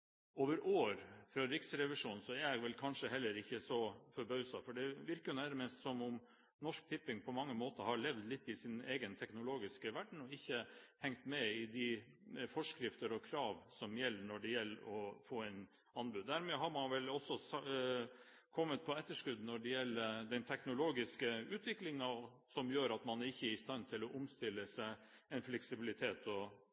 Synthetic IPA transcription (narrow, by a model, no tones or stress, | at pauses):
oːʋəɾʔoːɾfɾɑɾɪksɾɛʋɪʂuːnsɔæɾjæɡʋɛlkʰɑnʂəɦɛlːəɾɪçːəsɔfɔɾbœʉsɑfɔɖɛʋɪɾkəjʊnæɾəmɛst̪sɔmʊm | nɔʂk̚t̪ʰɪpːɪŋpʰɔmɑŋːəmoːt̪əhɑɭɛʋd̪lɪt̪ːɪsɪneːɡənt̪ʰɛknʊloːɡɪskəʋæɖɳ̩ɔɪçːəhɛŋt̪mɛɪd̪ɪ | fɔʂkɾɪft̪əɾɔkʰɾɑːʋsɔmjɛlːəɳɔɖɛjɛlːəɾɔfoːɛɪn | ɑnbʉd̪ːæɾmeːɦɑɾmɑnʋɛlɔsːɔs | kʰɔmːət̪̚pʰɔɛt̪ːəʂkʉd̪nɔɖɛjɛlːəd̪ɛnt̪ʰɛknʊloːɡɪskəʉːt̪ʰʋɪklɪŋənɑ | sɔmjøːɾɑt̪mɑnæɾɪçːəɾɪst̪ɑnt̪ʰɪlɔʔʊmst̪ɪlːəsæɪ | ɛnflɛksɪbɪlɪt̪ʰeːt̪ʰɔ